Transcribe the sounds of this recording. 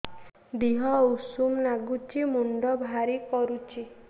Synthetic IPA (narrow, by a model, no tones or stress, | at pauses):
d̪iɦɔusumlaɡut͡ʃʰimuɳɖɔbʱaɾikɔɾut͡ʃʰi